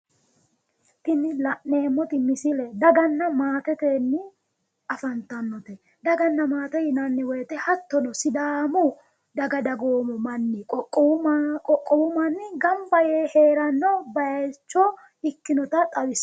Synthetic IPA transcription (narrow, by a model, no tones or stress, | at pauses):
t̪ɪnɪlɐʔne̞ːmːɔt̪ɪmɪsɪlɛd̪ɐɡɐnːɐmaːt̪ɛt̪eːnːɪ | ɐfɐnt̪ɐnːɔt̪ɛ | d̪ɐɡɐnːɐmaːt̪ɛjɪnɐnːɪwɔjt̪ɛhɐt̪ːɔnɔsɪd̪aːmʊ | d̪ɐɡɐd̪ɐɡoːmɔmɐnːɪkʼɔkʼːɔkʼɔkʼːɔwʊmɐnːɪɡɐmbɐjeːheːɾɐnːɔbɐjt͡ʃːɔ | ɪkːɪnɔt̪ɐt̪ʼɐwɪs